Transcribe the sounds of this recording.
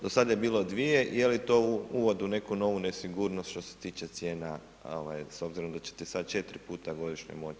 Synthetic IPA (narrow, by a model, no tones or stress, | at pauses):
d̪osad̪ajebiːlo̞d̪ʋije̞ʔijelit̪ouuʋo̞d̪une̞kuno̞ʋunesiɡuɾnost̪ʃt̪o̞se̥t̪iːt͡ʃe̞t̪sje̞ːna | o̰ʋajso̞bziɾo̞md̪at͡ʃe̥t̪isad̪̚t͡ʃe̞t̪ɾipuːt̪aɡo̞d̪iʃɲḛmo̞t͡ʃ